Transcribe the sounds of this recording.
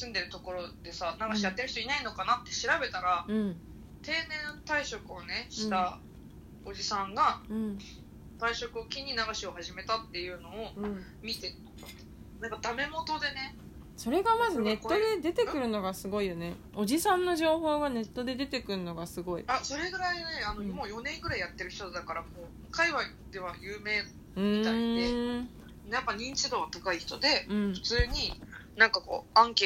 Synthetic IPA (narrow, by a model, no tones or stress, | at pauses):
sɨ̃nd̪e̞ɾɯ̟t̪o̞ko̞ɾo̞d̪̥e̞sanaɡaɕijat̪ːeɾɯçi̥t̪o̞inaino̞kanat̪ːe̞ɕiɾabe̞t̪aɾaɯ̟̃ɴ | t̪e̞ːnẽ̞nt̪aiɕo̞kɯ̟o̞ne̞ɕi̥t̪a | o̞d͡ʑisãŋɡaɯ̟̃ɴ | t̪aiɕo̞kɯo̞kʲiɲ̟inaɡaɕio̞haʑime̞t̪at̪ːe̞jɯ̟no̞ːɯ̟̃ɴ | mʲit̪e | nãŋkad̪ame̞mo̞t̪o̞d̪e̞ne̞ | so̞ɾe̞ɡamazɨne̞t̪ːo̞d̪e̞d̪e̞t̪e̞kɯ̟ɾɯ̟no̞ɡasɨɡo̞ijo̞ne̞ | o̞ʑisãnːo̞ʑo̞ːho̞ːɡane̞t̪ːo̞d̪e̞d̪e̞t̪e̞kɯ̟ɾɯ̟no̞ɡasɨɡo̞ḭaso̞ɾeɡɯ̟ɾaineanomoːjo̞nẽ̞ŋɡɯ̟ɾaijat̪ːe̞ɾɯ̟çi̥t̪od̪akaɾamoː | kaiβai | d̪e̞βajɯ̟ːme̞ː | ɯ̟̃it̪aid̪e | japːaɲ̟ĩɲt͡ɕid̪oːβat̪akaiçi̥t̪o̞d̪e̞ɯ̟̃ɴɸɯ̟̥t͡sɨːɲ̟inãŋkako̞̰ːãŋke